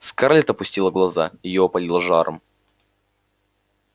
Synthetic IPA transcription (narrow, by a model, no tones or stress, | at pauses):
skaɾlʲɪt̪əɐpʊsʲtʲilˠəɡlˠɐzaɪjopɐlʲilˠəʐaɾʔə̰m